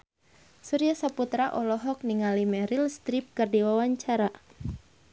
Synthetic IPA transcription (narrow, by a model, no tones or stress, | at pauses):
suɾiasaput̪ɾaʔɔlɔɦɔk̚niŋalimɛɾilst̪ɾip̚kɨrdiwawaɲt͡ʃaɾa